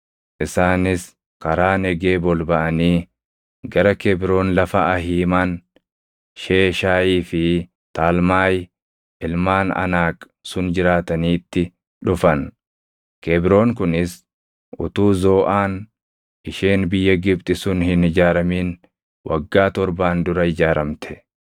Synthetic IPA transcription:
ʔɪsaːnɪs | kɐɾaːnɛɡe̞ːbɔlbɐʔɐniː | ɡɐɾɐkɛbɾo̞ːnlɐfɐɐɦiːmaːn | ʃeːʃaːiːfɪ | t̪aːlmaːj | ʔɪlmaːnɐ̰naːkʼ | sʊnd͡ʒɪɾaːt̪ɐniːt̪ːɪ | ᶑʊfɐn | kɛbɾo̞ːŋkʊnɪs | ʔʊt̪uːzo̞ːʔaːn | ɪʃeːnbɪjːɐɡɪb̚t̪ʼɪsʊnhɪnɪd͡ʒaːɾɐmiːn | wʔɐ̰ɡːaːt̪ɔɾbaːnd̪ʊɾɐɪd͡ʒaːɾɐmt̪ʰɛ̥

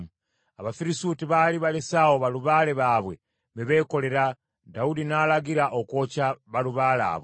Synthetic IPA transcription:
aβafiɾisuːtiβaliβalesaoβaluβaːle̞βaːβwe | miβe̞ːko̞le̞ɾa | daudinaːlaɡiɾaʔoko̞ːcaβaluβaːla̰ːβwe

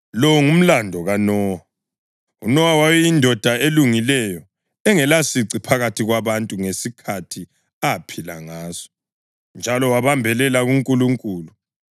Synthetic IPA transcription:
lɔŋum̩landʱɔɣanɔːwa | unɔwawawɛjindʱɔd̥ʱaeluŋilɛjɔ | ɛŋɛlasiǀipʰaɣatʰiɣwaβantʼuŋesikʰatʰi | apʰila̰ŋaːz̥ɔ̥ | nd͡ʒʱalɔwaβambʱɛlɛlaɣuŋkʼuluŋkʼuːlu

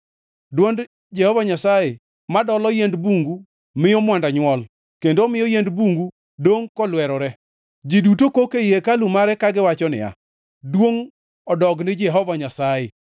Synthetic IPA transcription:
dwond | d͡ʒɛhɔvaɲasaje | madɔlɔjendbuŋɡu | mɪjɔmwandaɲwɔl | kendoːmɪjɔjendbuŋɡu | doŋkɔlwɛɾɔɾɛ | d͡ʒidutokokeijekalumaɾɛkaɡɪwat͡ʃɔnɪ̰a̰ | dwoŋ | ɔdɔɡnɪd͡ʒɛɦɔvaɲasaje

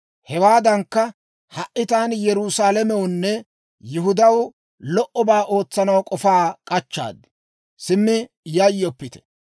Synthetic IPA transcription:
hɛwaːd̪ɐŋkːɐ | hɐʔʔɪt̪aːnjɛɾusaːlɐmɛwnːɛ | jʊɦʊd̪ɐw | lɔʔɔbaːʔo̞ːt͡sːɐnɐwkʼɔfaːkʼɐt͡ʃːa̰ːd̪ɪ̥ | sɪmːɪ | jɐjːɔpːɪt̪ɛ̥

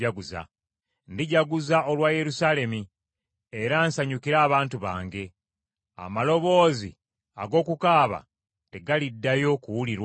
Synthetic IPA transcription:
aɡuza̰ | ndiɟaɡuzao̞lwaːje̞ɾusaːle̞mi | e̞ɾaːnsaɲukiɾaːβaːntuβa̰ːŋɡe̞ | a̰malo̞βo̞ːzḭ | a̰ɡo̞ːkukaːβa̰ | te̞ɡalidːajo̞kuwuliɾwa

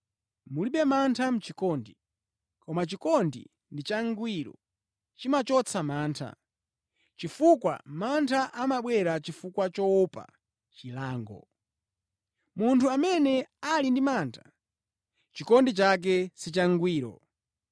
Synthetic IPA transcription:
muliɓɛmantʰam̩t͡ʃikɔːndi | kɔmat͡ʃikɔndḭ | ndit͡ʃaŋɡwiːɾɔ̰ | t͡ʃimat͡ʃɔt͡sʰamaːntʰa̰ | t͡ʃifukwa̰mantʰaʔamaɓwɛɾat͡ʃifukwat͡ʃɔpa̰ | t͡ʃilaːŋɡɔ̰ | muntʰuamɛnɛalindimaːntʰa | t͡ʃikɔndit͡ʃak̬ɛsit͡ʃaŋɡwiːɾɔ̰

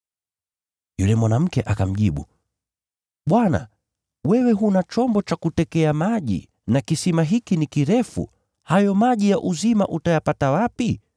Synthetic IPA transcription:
julɛmwanam̩kɛʔakam̩ʄiɓṵ | ɓwana̰ | wɛwɛɦunat͡ʃɔmbɔt͡ʃakutɛkɛamaʄḭ | nakisimaɦikinikiɾɛfṵ | hajɔmaʄijaʔuzima̰ʔutajapatawapi

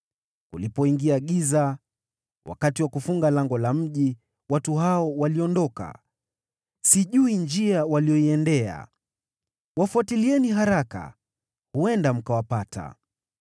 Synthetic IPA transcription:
kulipɔiŋɡiaɠiza | wʔa̰katiwakufuŋɡalaŋɡɔlam̩ʄi | watuɦaɔwaliɔndɔka̰ | siʄuiɲd͡ʒiawalijɔiɛndɛa̰ | wafuatiliɛniɦaɾaka̰ | huɛndam̩kawapatʰa̰

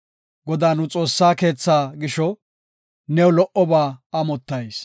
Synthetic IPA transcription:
ɡɔd̪aːnʊt͡sʼo̞ːsːaːke̞ːt͡sːaːɡɪʃɔ | nɛwʊlɔʔɔbaːɐmɔt̪ːɐjs

